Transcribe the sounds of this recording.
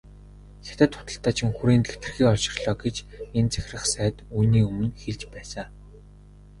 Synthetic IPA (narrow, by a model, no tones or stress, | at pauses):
xʲḁt̪æ̆t̪χʊ̥t̪ə̆ɬt̪aːt͡ɕʰɪ̆ŋxuɾiːnt̪ɡet̪ɘ̆rxiːɔɮʃɪ̆rɮɔːɡet͡ɕent͡sæ̥x̆ʲrə̆χsæːt̪uːniːɵmɘ̆nxeɮt͡ɕpæːsaː